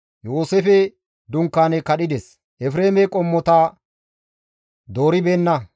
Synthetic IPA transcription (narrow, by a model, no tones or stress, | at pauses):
joːsefɛ | d̪ʊŋkːaːnɛkɐɗɪd̪ɛs | ʔɛfɾeːmɛkʼɔmːɔt̪aː | d̪o̞ːɾɪbeːnːɐ